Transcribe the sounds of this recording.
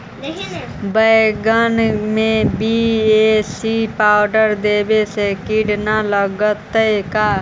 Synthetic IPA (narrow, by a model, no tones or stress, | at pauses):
bəɪɡənmẽbiesipaːʊɖəɾd̪eːbesekiɽnaləɡət̪ːəkaː